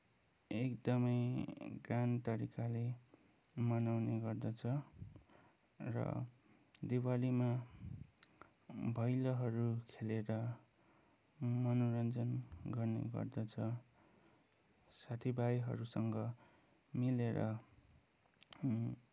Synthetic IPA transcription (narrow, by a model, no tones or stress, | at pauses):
ekd̪ʌmʌjɡrant̪ʌɾikale | mʌnawneɡʌrd̪ʌt͡sʰʌ | rʌ̰ | d̪iwalima | bʱʌjlʌɦʌɾukʰeleɾʌ | mʌnoɾʌnd͡zʌnɡʌrnḛɡʌ̰rd̪ʌt͡sʰʌ | sat̪ʰibajɦʌ̰ɾusʌŋɡʌ | mileɾʌ̰